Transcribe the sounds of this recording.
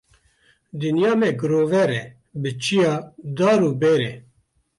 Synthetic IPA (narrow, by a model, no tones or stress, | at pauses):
d̪ɨnjaːmɛɡɨɾoːvɛɾɛ | bɨt͡ʃijaːd̪aːɾuːbeːɾeː